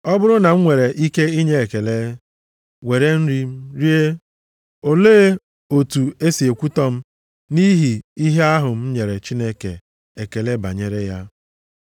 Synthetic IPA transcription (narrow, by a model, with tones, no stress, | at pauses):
ɔ˦bʊ˦ɾʊ˦na˨ŋ̩˦ŋʷe˨ɾe˨ʔi˦ke˦i˦ɲe˦e˨ke˨le˦ | we˨ɾe˦n̩˦ɾi˦m̩˦ɾi˦e˦ | o˨leː˦ | o˨tu˨e˦si˨e˨kʷu˦tɔ˦m̩˦ | ni˦ɦi˨i˦ɦe˦a˦ɦʊ˨m̩˦ɲe˨ɾe˨t͡ʃi˦ne˦kḛ˨ | e˨ke˨le˦ba̰˨ɲe˨ɾe˦ja˦